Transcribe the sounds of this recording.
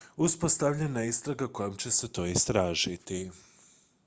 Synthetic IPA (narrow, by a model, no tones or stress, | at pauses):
uspo̞st̪aʋʎenaist̪ɾaɡako̞jomt͡ɕe̞set̪o̞ːist̪ɾaːʒit̪i